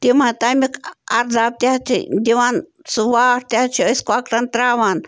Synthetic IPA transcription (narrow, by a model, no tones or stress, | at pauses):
t̪imãt̪amikaɾd̪ab̚t̪ʲat̪ʰḭd̪iwan | suwaɾt̪iat͡ʃʰioiskʷakɾant̪ɾawan